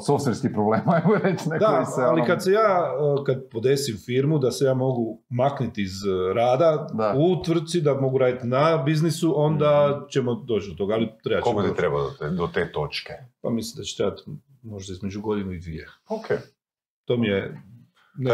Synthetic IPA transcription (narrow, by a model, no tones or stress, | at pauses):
sofseɾskipɾobleːmaemɔɾet͡ʃned̪aalikad̪se̞jaːəkad̪po̞d̪e̞simfiɾmud̪ase̞jaːmo̞ɡu | maknit̪iizɾaːd̪aaut̪ʋɾr̩d̪̚t̪sid̪amo̞ɡuɾaːd̪it̪inabiznisuʔo̞nd̪at͡ʃemod̪o̞ːt͡ʃd̪o̞t̪o̞ɡaːlit̪ɾebakekot̪it̪ɾebad̪ot̪ed̪ot̪eːt̪o̞t͡ʃkepa̰mislimd̪at͡ɕe̥t̪ɾeːbat̪ | mo̞ʒd̪aizme̞d͡ʒuɡo̞d̪inuid̪ʋie̞okʰe | t̪o̞mije | n